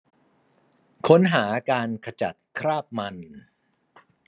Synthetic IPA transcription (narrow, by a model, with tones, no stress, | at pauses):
kʰo˦˥nɦaː˩˦kaː˧nkʰa˧t͡ɕa˨˩t̪̚kʰɾaː˥˩p̚ma˧n